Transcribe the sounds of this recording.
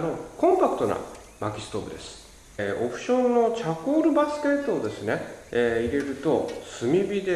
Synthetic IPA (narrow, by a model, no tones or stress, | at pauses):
no̞kõ̞mpakɯ̟t̪o̞na̰ | makʲi̥sɨ̥t̪o̞ːbɯ̟d̪e̞sɨ̥ | ʔo̞pɯ̟̥ɕõ̞nːo̞t͡ɕakoːɾɯ̟basɨ̥ke̞t̪ːoːd̪e̞sɨne̞eːiɾe̞ɾɯ̟t̪o̞sɨmʲibʲid̪e